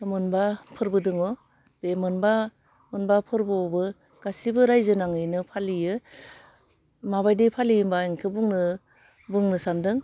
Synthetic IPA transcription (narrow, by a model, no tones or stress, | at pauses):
mɯnbapʰɯɾbɯdɯŋɔ | bemɯnba | mɯnbapʰɯɾbɯɔbɯ | ɡ̥asibɯɾajzɯnaŋɯjnɯpʰalijɯ | maβajdepʰalijmbaeŋkʰɯbuŋnɯ | bɯŋnɯsandɯŋ